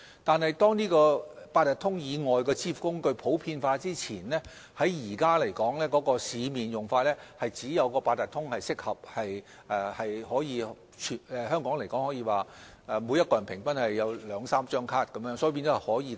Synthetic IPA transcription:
t̪aː˨nhɐ˨jt̪ɔː˥ŋniː˥kɔː˧paː˧t̪̚ɐ˨t̪ʰʊ˥ŋjiː˨˧ŋɔː˨jkɔː˧t͡sʰiː˥fkʊ˥ŋkɵ˧ɥpʰo˨˥wpʰiː˧nfaː˧t͡siː˥t͡sʰiː˨˩nlɛː˥ | hɐ˨˥jjiː˨˩kaː˥le˨˩jkɔː˨˥ŋlɛː˥kɔː˨˥kɔː˧siː˨˧miː˨njʊ˨ŋfaː˧t̚lɛː˥hɐ˨jt͡siː˨˥jɐ˨˧wkɔː˧paː˧t̪ɐ˨t̪ʰʊ˥ŋhɐ˨jsɪ˥k̚hɐ˨p̚hɐ˨j | ʔɛː˨˩hɐ˨jhɔː˨˥jiː˨˧ | t͡ʃʰːɛː˨˧hœː˥ŋkɔː˨˥ŋle˨˩jkɔː˨˥ŋhɔː˨˥jiː˨˧waː˨ | ɛ˨˧mu˨˧jɐ˥t̚kɔː˧jɐ˨˩npʰɪ˨˩ŋpɐ˥nhɐ˨jːɐ˨˧wlœː˨˧ŋsaː˥mt͡ʃœː˥ŋkʰaː˥t̚kɐ˨˦mjjœː˧˥ŋsɔː˧˥˨pi˧nt͡sɔ˨˧˥hɐ˨hɔː˨˥jiː˨˧

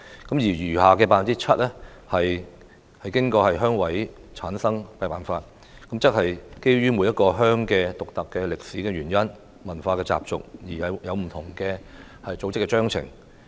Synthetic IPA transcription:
kɐ˨˥mjiː˨˩jyː˨˩ɦaː˨kɛː˧paː˧fnt͡siː˥t͡sʰɐ˥t̚lɛ˥hɐ˨j | hɐ˨jkɪ˥ŋkɔː˧hɐ˨jɦœː˥ŋwɐ˨˥jt͡sʰaː˨˥nsɐ˥ŋpɐ˧jpaː˨nfaː˧t̚ | kɐ˨˥mt͡sɐ˥t̚hɐ˨jke˥jɥyː˥mu˨˧jɐ˥t̚kɔː˧ɦœː˥ŋkɛː˧t̪ʊ˨k̚t̪ɐ˨kːɛː˧lɪ˨k̚siː˨˥kɛː˧ɥyː˨˩njɐ˥n | mɐ˨˩nfaː˧kɛː˧t͡sa̰ː˨p̚t͡sʊ̰˨k̚jiː˨˩ɐ˨wjɐ˨˧wm̩˨˩t̪ʰʊ˨˩ŋkɛː˧ | hɐ˨jt͡so˨˥wt͡sɪ˥kːɛː˧t͡ʃœː˥ŋt͡sʰɪ̰˨˩ŋ

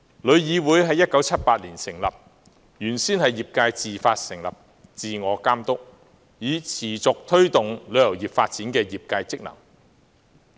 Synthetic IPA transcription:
lɵ˨˧ɥjiː˨˧wuː˨˥jɦɐ˨˧jːɐ˥t̚kɐ˨˥wt͡sʰɐ˥t̚paː˧t̚liː˨˩nsɪ˨˩ŋlɐ̰˨p̚ | jyː˨˩nsiː˥nhɐ˨jːiː˨p̚kaː˧jt͡siː˨faː˧t̚sɪ˨˩ŋlɐ̰˨p̚ | t͡siː˨ŋɔː˨˧kaː˥mt̪ʊ˥k̚ | jiː˨˧t͡sʰiː˨˩t͡sʊ˨k̚t̪ʰɵ˥ɥt̪ʊ˨ŋlɵ˨˧ɥjɐ˨˩wjiː˨˩p̚faː˧t̚t͡si˨˥nkɛː˧jiː˨p̚kaː˧jt͡sɪ˥k̚lɐ̰˨˩ŋ

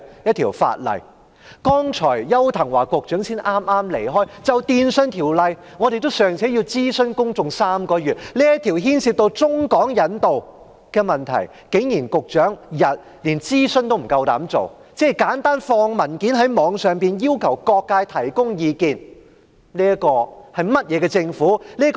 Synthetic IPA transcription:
jɐ˥t̚t̪ʰiː˨˩wfa̰ː˧t̚lɐ̰˨j | kɔː˥ŋt͡ʃʰɔː˨˩jjɐ˥wt̪ʰɐ˨˩ŋwaː˨˩kʊ˨˧k̚t͡ʃœː˨˥ŋsiː˥nʔaː˥mʔaː˥mlḛ˨˩jɦɔː˥jt͡sɐ˨wt̪iː˨˧nsnt̪ʰiː˨˩wlɐ˨˧j | ŋɔː˨˧ɾe˨jt̪o˥wsœː˨˩ŋt͡sʰɛː˨˥ji˧wt͡siː˥sɵ˥nkʊ˥ŋt͡sʊ˨ŋsaː˥mkɔː˧jyː˨t̚liː˥jɐ˥t̪ʰiː˨˩wɦiː˥nsiː˧p̚t̪o˧wt͡sʊ˥ŋkɔː˨˥ŋjɐ˨˥nt̪o˨w | kɛː˧mɐ˨nt̪ʰɐ̰˨˩j | ke˨˥ŋjiː˨˩nkʊ˨k̚t͡ʃœː˨˥ŋjɐ˨t̚ | liː˨˩nt͡siː˥sɵ˥nt̪o˥wm̩˨˩kɐ˧wt̪a̰ː˨˥mt͡so̰˨wt͡sɛː˥kaː˨˥nt̪aː˥nfɔː˧ŋmɐ˨˩nki˨˥nɦɐ˨˥jmɔː˨˧˥ŋsœː˨ŋpiː˨˧njiː˥wkʰɐ˨˩wkɔː˧kːaː˧jt̪ʰɐ˨˩jkʊ˥ŋjiː˨˧kiː˨n | liː˥ɐ˥kɔː˧hɐ˨jmɐ˥t̚jɛː˨˧kɛː˧t͡sɪ˧ŋfuː˨˥liː˥k

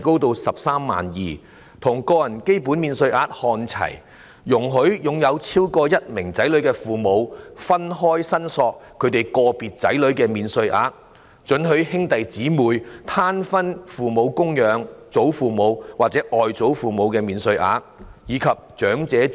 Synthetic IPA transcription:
ko˥wt̪o˧wsɐ˨p̚saː˥mːa̰ː˨njiː˨ | t̪ʰʊ˨˩ŋkɔː˧jɐ˨˩nke˥jpuː˨˥nmiː˨˧nsɵ˧ɥʔaː˧t̚hɔː˧nt͡sʰɐ̰˨˩j | jʊ˨˩ŋɦɵ˨˥ɥjʊ˨ŋjɐ˨˧wt͡sʰiː˥wkɔː˧jɐ˥t̚mɪ˨˩ŋt͡sɐ˨˥jlɵ˨˥ɥkɛː˧fuː˨˩mo˨˧wfɐ˥nɦɔː˥jsɐ˥nsɔː˧k̚ʰːɵ˨˧ɥt̪e˨˩jkɔː˧piː˨t̚t͡sɐ̰˨˥jlɵ˨˥ɥkɛː˧miː˨˧nsɵ˧ɥʔa̰ː˨˧t̚ | t͡ʃɵ˨˥nɦɵ˨˥ɥhɪ˥ŋt̪ɐ˨jt͡siː˨˥muː˨jt̪ʰaː˥nfɐ˥nfuː˨mo˨˧wkʊ˥ŋjœː˨˧ŋt͡so˨˥wfuː˨mo˨˧wwaː˨k̚t͡sɛː˨˥ʔɔː˨jt͡so˨˥wfuː˨mo˨˧wkɛː˧miː˨˧nsɵ˧ɥʔa̰ː˧t̚jiː˨˧kʰɐ˨p̚t͡ʃœː˨˥ŋt͡sɛː˨˥

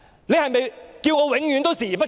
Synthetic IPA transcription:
le˨˧jhɐ˨jme˨jkiː˧wŋɔː˨˧wɪ˨˥ŋjyː˨˥nt̪o˥wsiː˨˩pɐ˥t̚

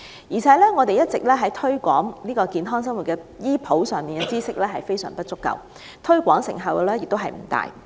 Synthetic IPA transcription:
jiː˨˩t͡sʰɛː˨˥lɛː˥ŋɔː˨˧t̪e˨jɐ˥t̚t͡sɪ˨k̚lɛː˥ɦɐ˨˥jt̪ʰɵ˥ɥkʷɔ̰ː˨˥ŋniː˥kɔː˧kiː˨˧nɦɔː˥ŋs̬ɐ˥ŋwu˨t̚kɛː˧jiː˥pʰo˨˥wsœː˨ŋmiː˨nɛ˧t͡siː˥sɪ˥k̚lɛː˥ɦɐ˨jfe˥jsœ̰ː˨˩ŋpɐ˥t̚t͡sʊ˥kːɐ̰˨˩w | t̪ʰɵ˥ɥkʷɔː˨˥ŋsɪ̰˨˩ŋɦɐ˨wkɛ˧lɛː˥jɪ˨k̚t̪o˥wɦɐ˨jm̩˨˩t̪a̰ː˨j

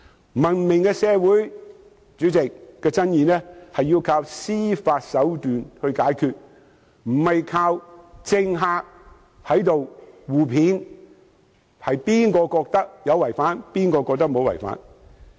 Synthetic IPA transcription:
mɐ˨˩nmɪ˨˩ŋkɛː˧sɛː˨˧wuː˨˥j | t͡ʃyː˨˥t͡sɪ˨k̚ːɛː˧t͡sɐ˥njiː˧nɛː˥hɐ˨ji˧wkʰaː˧wsiː˥faː˧t̚sɐ˨˥wt̪yː˨nhɵ˧ɥkaː˨˥jkʰyː˧t̚ | m̩˨˩hɐ˨jkʰaː˧wt͡sɪ˧ŋɦaː˧k̚ | hɐ˨˥jt̪o˨wwuː˨pʰiː˨˥n | hɐ˨jpiː˥nkɔː˧kɔː˧k̚t̪ɐ˥k̚jɐ˨˧wɐ˨˩jfaː˨˥npiː˥nkɔː˧kɔː˧k̚t̪ɐ˥k̚mo˨˧wɐ̰˨˩jfa̰ː˧˥n

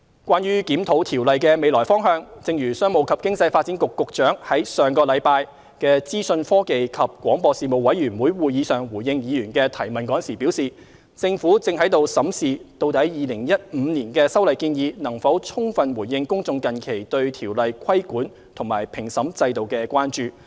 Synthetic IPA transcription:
kʷaː˥nɥyː˥kiː˨˥mt̪ʰo˨˥wt̪ʰiː˨˩wlɐ˨jkɛː˧me˨˧jlɔː˨˩jfɔː˥ŋɦœː˧ŋt͡sɪ˧ŋjyː˨˩sœː˥ŋmo˨˧wkʰɐ˨˩p̚kɪ˥ŋt͡sɐ˧jfaː˧t̚t͡siː˨˥nkʊ˨kːʊ˨k̚t͡ʃœː˨˥ŋhɐ˨˥jsœː˨˩ŋkɔː˧lɐ˨˧jpaː˧j | kɛː˧t͡siː˥sɵ˧nfɔː˥ke˨jkʰɐ˨p̚kʷwɔː˨˥ŋpɔː˧siː˨mo˨˧wːɐ˨˥jɥyː˨˩nwuː˨˥jwuː˨˩jiː˨˧˥sœː˨ŋwuː˨˩jjɪ˧ŋjiː˨˧jyː˨˩nkɛː˧t̪ʰɐ˨˩jmɐ˨nkɔː˨˥nsiː˨˩pi˨˥wsiː˨ | t͡sɪ˧ŋfuː˨˥t͡sɪ˧ŋɦɐ˨˥jt̪o˨˧wsɐ˨˥msiː˨t̪o˧wt̪ɐ˨˥jjiː˨˧lɪ˨˩ŋjɐ˥t̚m̩˨˧niː˨˩nkɛː˧sɐ˥wlɐ˨jkiː˧njiː˨˧nɐ˨˩ŋfɐ˨˥wt͡sʰʊ˥ŋfɐ˨nwuː˨˩jjɪ˧ŋkʊ˥ŋt͡sʊ˧ŋkɐ˨nkʰe˨˩jt̪ɵ˧ɥt̪ʰiː˨˩wlɐ˨jkʰɐ˥jkuː˨˥n | t̪ʰʊ˨˩ŋmaː˨˩jpʰɪ˨˩ŋsɐ˨˥mt͡sɐ˧jt̪o˨wkɛː˧kʷaː˥nt͡ʃyː˨

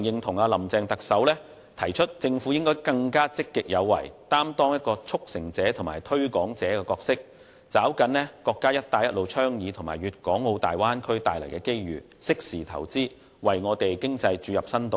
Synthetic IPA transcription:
ŋjɪ˨ŋt̪ʰʊ˨˩ŋaː˧lɐ˨˩mt͡sɛː˧ŋt̪ɐ˨k̚sɐ˨˥wlɛː˥ | t̪ʰɐ˨˩jt͡ʃʰɵ˥t̚t͡sɪ˧ŋfuː˨˥jɪ˥ŋkɔː˥jkɐ˧ŋkaː˥t͡sɪ˥kːɪ˨k̚jɐ˨˧wːɐ̰˨˩jt̪aː˥mt̪ɔː˥ŋjɐ˥t̚kɔː˧t͡sʰʊ˥k̚sɪ˨˩ŋt͡sɛː˨˥t̪ʰʊ˨˩ŋmaː˨jt̪ʰɵ˥ɥkɔː˨˥ŋt͡sɛː˨˥kɛː˧kɔː˧k̚sɪ˥k̚ | t͡saː˨˥wkɐ˨˥nlɛː˥kɔː˧kːaː˥jɐ˥t̚t̪aː˧jɐ˥t̚lo˨˧wt͡ʃʰœː˥ŋjiː˨˧t̪ʰʊ˨˩ŋma̰ː˨˩jɥyː˨t̚kɔː˨˥ŋːo˨˧wt̪a̰ː˨jwaː˥nkʰɵ˥ɥt̪a̰ː˨jlɐ˨˩jkɛː˧ke˥jɥyː˨˩ | sɪ˥k̚siː˨˩t̪ʰɐ̰˨˩wt͡siː˥ | wɐ˨˩jŋɔː˨˧t̪e˨jkɪ˥ŋt͡sɐ˧jt͡ʃyː˨˧jɐ˨p̚sɐ˥nt̪o˨

